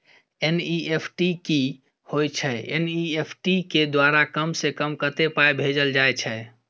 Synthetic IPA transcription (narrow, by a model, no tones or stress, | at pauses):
eniʔepʰʈiki | hojt͡ʃʰɛḛniepʰʈiked̪waɾakəmsekəmkət̪epaebʱed͡ʒəld͡ʒajt͡ʃʰɛ